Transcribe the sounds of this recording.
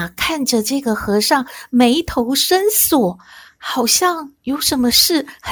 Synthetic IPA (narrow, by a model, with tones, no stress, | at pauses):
kʰa˥˩nʈ͡ʂə˩ʈ͡ʂɤ˥˩ɡə˩xɤ˧˥ʂɑ˥˩ŋme˧˥ɪt̪ʰo˧˥ʊʂə˥nswɔ˨˩˦xɑ˨˩ʊɕjɑ˥˩ŋjo˧˥ʊʂə˧˥nmə˧ʂɻ̩˥˩x